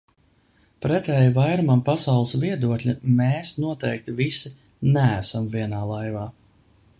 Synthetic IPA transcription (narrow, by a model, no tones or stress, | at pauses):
pɾɛt̪ɛːjvajɾumampasɑwlˠɨsviɛd̪uɔklʲimɛːsnuɔt̪ɛjk̚t̪ivisi | nææsamviɛnaːlˠajvaː